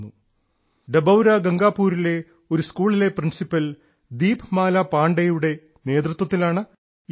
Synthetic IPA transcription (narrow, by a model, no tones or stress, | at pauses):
u | ɖebɐwɾɐɡɐŋɡaːpːuːɾile̞ | oɾuskuːɭile̞prinsipːɐl | d̪iːpɨmaːlɐpaːɳɖɐjuɽe̞ | ne̞ːd̪rut̪wɐt̪ːilaːɳɨ